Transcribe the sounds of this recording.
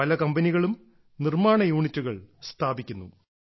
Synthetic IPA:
ɐlɐkɐmbɐniɣɐɭum | nirmaːɳɐjuːɳitːuɣɐɭst̪ʰaːbikʲːunːṵ

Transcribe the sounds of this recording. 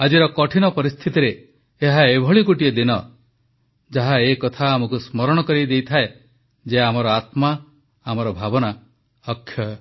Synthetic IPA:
ad͡ʒiɾɔkɔʈʰinɔpɔɾist̪ʰit̪iɾeː | ɦaebʱɔɭikuʈied̪inɔ | d͡ʒaɦaekɔt̪ʰaːmɔkusmɔɾɔɽ̃ɔkɔɾid̪ejt̪ʰae | d͡ʒeamɔɾɔat̪maː | mɔɾɔbʱabɔna | ɔkʰːjɔ

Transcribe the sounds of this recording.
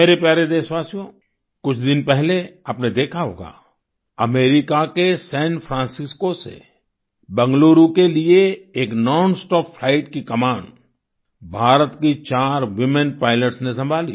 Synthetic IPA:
meːɾepjaːɾed̪eːsʋaːsijõ | kʊt͡ʃʰd̪ɪnpɛɦleəpned̪eːkʰaɦo̰ːɡa̰ː | ɐmeːɾɪkakesɛ̃ːnfʰɾãːnsɪskosḛ | bɐ̃ŋɡloːɾukelieeːknɔːnsʈɔːkfʰlaːɪʈkikɐmaːɳ | bʱaːɾət̪kit͡ʃaːɾʋɪmənpaːɪləʈsnẽs̬ɐ̃mbʱaːlḭː

